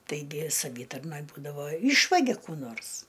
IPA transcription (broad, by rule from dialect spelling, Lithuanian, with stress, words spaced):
tɐɪˈɡʲɪ sɐˈʋʲiːtɐrnoːj ˈbuːdɐʋoː ˈiːʃʋɐɡʲɛ ˈkuː ˈnoːrs